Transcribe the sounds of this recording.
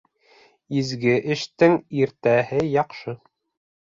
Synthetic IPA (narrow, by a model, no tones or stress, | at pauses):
izɡɘʔɘ̆ʃt̪ɘŋiɾt̪æhɘjɑqʃɤ